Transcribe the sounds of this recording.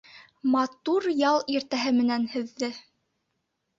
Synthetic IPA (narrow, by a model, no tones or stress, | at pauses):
mɑt̪uɾjɑlˠiɾt̪æɦɘmɘ̆nænhɘ̆ðːɘ